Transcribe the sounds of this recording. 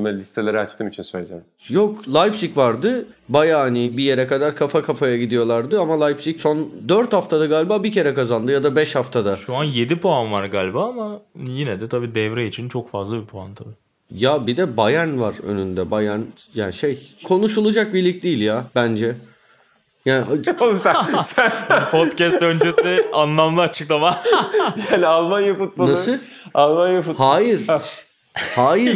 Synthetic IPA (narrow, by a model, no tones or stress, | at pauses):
mɛlʲist̪ʰe̞lʲeɾiat͡ʃt̪ʰɯːmit͡ʃʰinsøjlʲed͡ʒe | joklˠajpsicvaɾd̪ɯbajaːhanibije̞ɾɛkad̪aɾkʰafakʰafajaɟid̪ijo̞lˠaɾd̪ɯamalˠajpsicso̞nd̪øɾt̪haft̪ʰad̪aɡaːlʲbaːbicʰe̞ɾɛkazand̪ɯjad̪abɛʃhaft̪ʰad̪aʃuanje̞d̪ipʰoanvaɾɡaːlʲbaamajinɛd̪ɛt̪ʰabiːd̪ɛvɾɛit͡ʃʰint͡ʃʰo̞kfazlˠabipʰoant̪ʰabi | jabid̪ɛbajænvaɾø̰nynd̪ɛbajæn | jaːnʃejkʰo̞nuʃulˠud͡ʒak̚biɾlʲic̚d̪ijːlʲjaːb̥ænd͡ʒɛ | jaːnakosa | pʰot̪cɛst̪ø̞nd͡ʒesianlˠamlˠɯːt͡ʃʰɯklˠamajaːnialˠmanjaput̪̚manasɯ | alˠmanjaput̪haːjiɾ̥ | haːjiɾ